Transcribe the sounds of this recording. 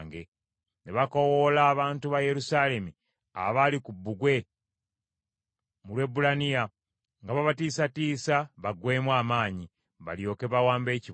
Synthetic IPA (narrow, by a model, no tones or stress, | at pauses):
ŋɡe | ne̞βako̞wolaːβaːntuβaje̞ɾusale̞mi | a̰βalikubːuɡwe̞ | mulwe̞bulanija | ŋɡaβaβatiːsatiːsaβaɡwe̞ːmwaːmaːɲi | βa̰ljo̞ːke̞βawaːmbe̞ːci